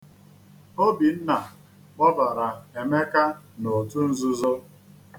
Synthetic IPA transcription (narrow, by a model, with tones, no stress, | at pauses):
o˦bi˨n̩˦na˨ | ɔ˦ba˨ɾa˨e˨me˦ka˦ | no˨tu˦n̩˦zu˦zo˦